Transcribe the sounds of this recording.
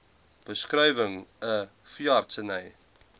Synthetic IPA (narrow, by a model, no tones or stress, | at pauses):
b̥əskrɛjvəŋə | fjɑːrtsənəj